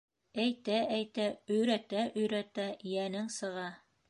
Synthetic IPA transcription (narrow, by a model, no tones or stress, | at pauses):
æjt̪ææjt̪æɵ̆jɾæt̪æʔɵ̆jɾæt̪æjænɘŋsɤ̆ʁɑ